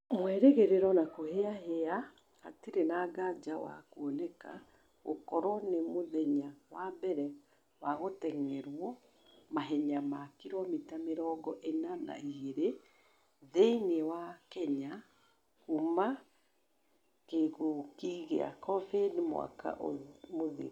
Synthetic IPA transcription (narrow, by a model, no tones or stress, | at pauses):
mwɛɾeɣeɾeɾɔnakoheaɦea | ha̰tiɾenaːɡad͡ʒawa̰kuɔnɛka̰ | ɣo̰kɔɾɔnemoðɛɲawabɛɾɛ | waɣotɛŋɛɾwɔ | maɦɛɲamakiɾɔmitameɾɔɡɔʔenana̰iɣeɾe | ðeinewakɛɲa | kuma | keɣokiɣḛa̰kɔvedmw̰a̰ka̰ʔo̰moðḛ